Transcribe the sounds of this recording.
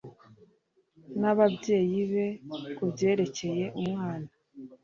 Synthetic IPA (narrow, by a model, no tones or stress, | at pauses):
naβabje̞ːjiβe̞kubje̞ːɾe̞ce̞je̞ʔumŋaːna